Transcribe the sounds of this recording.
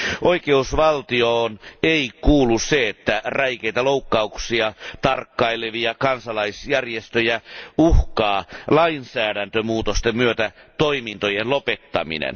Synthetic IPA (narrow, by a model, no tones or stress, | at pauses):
ʔoikeusʋɑlt̪ioːneikuːlːusseet̪ːæræikeit̪æloukːɑuksiɑt̪ɑrkːɑileʋiɑkɑnsɑlɑisjærjest̪øjæuhkɑːlɑinsæːɾænt̪ømuːt̪ost̪emmyøt̪æt̪oimint̪ojenlopet̪ːɑ̰mḭnḛn